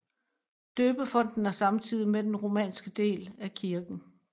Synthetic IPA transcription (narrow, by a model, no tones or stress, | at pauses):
d̥øːb̥əfɔ̽n̰d̥n̩æsɑ̈mt͡sʰið̰ˠimed̥enʁo̝mɛ̰ːnsɡ̥əd̥e̝̰ːlækʰiɐɡ̥n̩